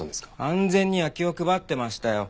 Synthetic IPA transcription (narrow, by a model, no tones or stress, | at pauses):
ãnd͡zẽ̞ɲ̟ːiβakʲio̞kɯ̟bat̪ːe̞maɕi̥t̪ajo̞